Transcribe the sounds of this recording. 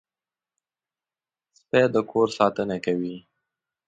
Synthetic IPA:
sped̪əkʰoɾsɑt̪ənakawi

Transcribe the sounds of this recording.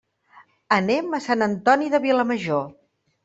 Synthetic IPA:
ənɛməsanənt̪ɔniðəβiləməʒo

